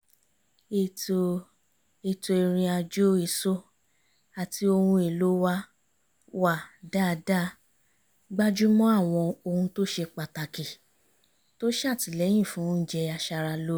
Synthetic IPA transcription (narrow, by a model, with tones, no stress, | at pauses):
e˧ | e˧to˧e˧ɾ̃ĩ˧a˧d͡ʒo˦i˦˨so˦ | a˨ti˧o˧hũ˧e˨lo˨˦wa˦ | wa˦˨da˦˨da˦˨ | ɡ͡ba˦d͡ʒu˦mɔ̃˦a˦˨w̃ɔ̃˧o˧hũ˧to˦ʃe˧k͡pa˨ta˨ke˨ | to˦ʃa˦˨ti˨˦lɛ̃˨˦ĩ˦˨fũ˨˦˨d͡ʒɛ˧a˧ʃa˧ɾa˧lo˦